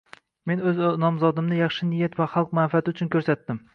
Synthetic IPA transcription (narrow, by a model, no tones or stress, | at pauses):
me̞nɵznɒmzɒd̪ɪmnɪjɑχʃɪnɪjat̪vaχɑlˠq̚manfat̪ʰɪʊt͡ʃʰʊnkʰʲɵɾsat̪ːɪm